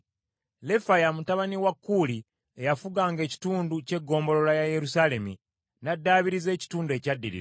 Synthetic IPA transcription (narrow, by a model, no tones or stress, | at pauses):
le̞fajamutaβaniwakːuːli | ejafuɡaːŋɡe̞ːci̥tuːnduce̞ɡːo̞ːmbo̞lo̞lajaje̞ɾusale̞mḭ | nadːaːβiɾize̞ːci̥tuːndue̞cadːiɾḭɾa